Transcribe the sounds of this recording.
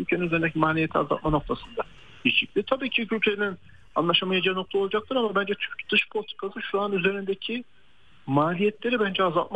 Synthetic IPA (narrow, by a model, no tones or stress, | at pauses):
ylʲcʰeinyze̞ɾind̪ecʰimaːlʲijet̪ʰia̰za̰lt̪̚manok̚t̪ʰasɯnd̪a | it͡ʃic̚lʲit̪ʰabiːcʰicʰylʲcʰenin | a̰nlˠaʃamajad͡ʒijano̞k̚t̪ʰaolˠad͡ʒak̚t̪ʰɯɾamabænd͡ʒɛt̪ʰyɾcd̪̥ɯʃpʰolʲˠt̪ʰi̥kʰasɯʃuanyze̞ɾind̪ecʰi | maːlʲijɛt̪lʲe̞ɾibænd͡ʒɛazalˠt̪̚ma